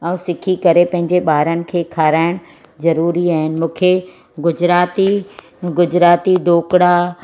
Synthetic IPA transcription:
ɛ̃ũsɪkʰikɐɾepɐ̃ɦɪ̃ɲd͡ʑeɓaːɾənɪ̆kʰeːkʰaːɾaːɪɽ̃ | zɐɾuːɾiaːɦɪnɪ̆mũːkʰe | ɡʊd͡ʑɾaːt̪i | ɡʊd͡ʑɾaːt̪iɖʱoːkɽa

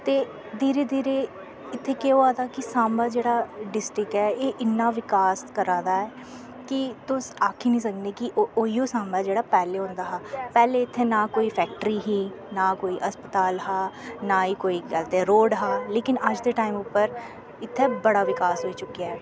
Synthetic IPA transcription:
t̪eː | d̪iːɾeːd̪iːɾeː | ɪt̪ʰːeːkeːoaːd̪aːkɪsãːmbaːd͡ʒeːɽaːɖɪsʈɾɪkɛːeːʔɪnːaːʋɪkaːskəɾãːd̪aːɛː | kɪt̪ʊsaːkʰiːnĩːsəkneːkɪoːiːoːsaːmbaːd͡ʒeːɽaːpɛːleːɦõnd̪aːɦaːpɛːleːɪt̪ʰːeːnãːkoːiːfʰɛːk̚ʈəɾiːɦiː | nãːkoːiːʔəspət̪aːlɦaːnaːiːkoːiːɡəlt̪eːɾoːɖɦaːleːkɪnəd͡ʒd̪eːʈaːimʊpːəɾ | ɪt̪ʰːeːbəɽaːʋɪkaːsɦoːiːt͡ʃʊkːiaːɛː

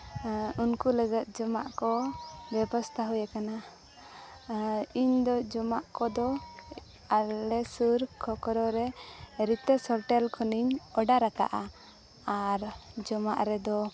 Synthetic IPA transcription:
unkuləɡət̪̚d͡ʒɔma̰ʔkɔbɛbɔst̪ʰaɦujakana | iɲd̪ɔd͡ʒɔmaʔkɔd̪ɔ | alɛsuɾkʰɔkɔɾɔɾɛɾit̪ɛsɔɾʈɛlkʰɔniɲɔɖaɾaka̰ʔa | aɾd͡ʒɔma̰ʔɾɛd̪ɔ

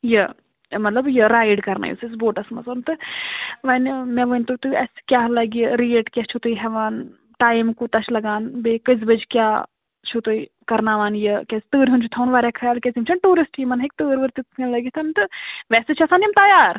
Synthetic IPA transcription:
jɐ | mɐt̪lɐbjɐɾaːjɖkɐɾna̰ːjḭsɐs̬boːʈɐsmɐt͡sɐnt̪ɨʋɐnʲmʲɛʋənʲt̪ut̪uɐskʲaːɦlɐɡəɾieʈkʲɐt͡ʃʰut̪ɨjɦɛʋaːn | ʈaːjimkut̪ɐʃʰlɐɡaːnbekɐzbɐd͡ʒkʲaː | t͡ʃʰut̪ɨi | kɐɾnaːʋaːnjɐkʲɛst̪əːɾʲɦunt͡ʃʰut̪ʰɐwnʋaːɾʲakʰɐjaːlkʲezimt͡ʃʰɐnʈuːɾisʈjimɐnɦɐk̚ʲt̪əːɾʋɨɾt̪it̪kɐnlɐɡʲit̪ʰɐnt̪ɨʋɛːsɨt͡ʃʰɐsaːnt̪jɐmt̪ɐjaːɾ

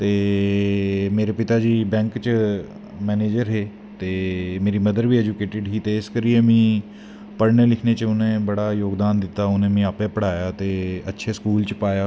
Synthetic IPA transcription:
t̪eː | meːɾepɪt̪aːd͡ʒiːbɛ̃ːŋkt͡ʃə | mɛːneːd͡ʒəɾɦeː | t̪eːmeːɾiːməd̪əɾʋiːɛd͡ʒukeːʈɪɖɦiːt̪eɪskəɾiemĩː | pəɾɳəlɪkʰneːt͡ʃəʊnẽːbəɽaːjoːɡd̪aːnd̪ɪt̪ːaːʊnẽːmẽəpẽːpəɽaːjaːt̪eːətːʃʰeskuːlt͡ʃpaːjaː

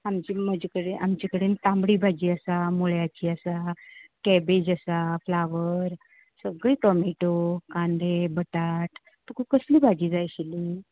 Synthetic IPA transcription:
amt͡ɕiməd͡ʑikəɽeʔamt͡ɕikəɽenit̪ãmbɽiːbʱad͡ʑiːasamoɭjat͡ɕiːasakɛbed͡ʑasaflaʋəɾ | səɡɭiːtɔmiʈokãɳɖ̪ebəʈaʈ̪ | t̪ukukəsliːbʱad͡ʑiːd͡zajɕili

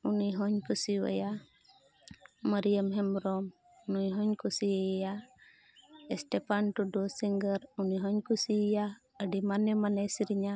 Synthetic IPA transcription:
uniɦɔɲkusiwa̰ja | məɾijəmɦɛmɾɔm | unujɦɔɲkusieja | ɛsʈɛpanʈuɖɔsiŋɡəɾuniɦɔɲkusija | əɖimanɛmanɛsiɾiɲa

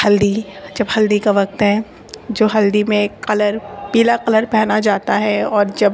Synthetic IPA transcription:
hɐld̪id͡ʒɐbhɐld̪ikaʋɐq̚t̪ɦɛ | d͡ʒoːɦɐld̪imẽqɐləɾpiːlaqɐləɾpɛɦnad͡ʒaːt̪aɦɛɔːɾd͡ʒɐb

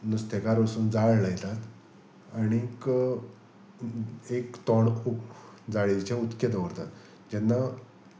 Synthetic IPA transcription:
nust̪ekaɾʋəsuːnd͡zaɭlajt̪at̪ | aɽ̃ik | ekt̪ɔɳ | d͡zaɭet͡ɕeut̪ket̪əʋəɾt̪at̪ | d͡ʑɛnːa

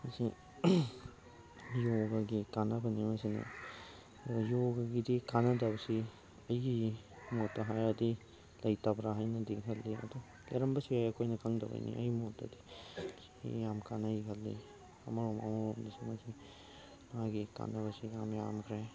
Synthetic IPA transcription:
mɐsi | joɡaɡikanabɐnimɐsinɐ̰ | djoɡaɡidikanɐdabɐsi | ɐjɡi | motːaɦajadi | lɐjtabɾaɦajnɐdikɦɐlːiɐ̰du | kḛɾɐmbɐsiajɐkʰojnɐkɐŋdɐwa̰jnḭʔɐ̰jmotːa̰di | jamkanajiɦɐlːḭ | ɐ̰mɐɾoma̰moomdisimɐsi | maɡika̰nabɐsijamjamkʰɾej

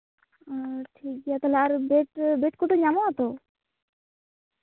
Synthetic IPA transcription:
ʈʰik̚ɡiat̪aleaɾbeʈbeʈkoʈoɲamaat̪o

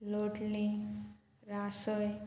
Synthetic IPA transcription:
loʈli | ɾasʌj

